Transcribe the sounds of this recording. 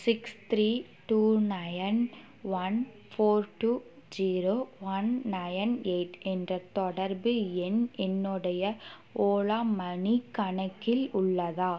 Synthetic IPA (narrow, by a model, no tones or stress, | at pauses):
sɪkst̪ɾiː | ʈuːnɐjn | ʋɐn | foːɾʈuː | d͡ʒiːɾoːʋɐnːɐjneɪʈɛndrɐt̪ɔɽɐɾbɯɛnɛnːɯɽɐjɐ | oːɭaːmɐɳikːɐɳɐkːɪlʊɭːɐðaː